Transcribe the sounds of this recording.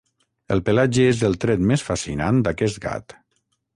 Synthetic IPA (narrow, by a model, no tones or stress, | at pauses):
əlˠpəlad͡ʒəezəlˠt̪ɾɛt̪mesfasinand̪akɛst̪ɡa̰t̪